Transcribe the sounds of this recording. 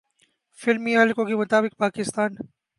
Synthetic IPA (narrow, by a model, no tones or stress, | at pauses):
fɪlmiɦɐlkõkemʊt̪aːbɪk̚paːkɪst̪aːn